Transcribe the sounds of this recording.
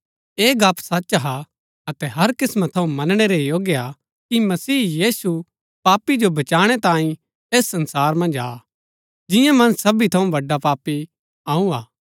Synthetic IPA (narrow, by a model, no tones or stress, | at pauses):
eːɡaːpʰsɐtːt͡ʃɦa | ɐt̪ɛɦɐɾkɪsmat̪ʰːɐũmɐnɽ̃eɾejoːɡja | kimɐsiːjiːsu | paːpːid͡ʒobɐt͡ʃaːɽ̃ɛt̪ãːĩ | eːsːɐ̃nsaːɾmɐ̃nd͡ʒaː | d͡ʒɪjãmɐ̃nsɐbit̪ʰɐũbɐɖːapaːpi | aːũaː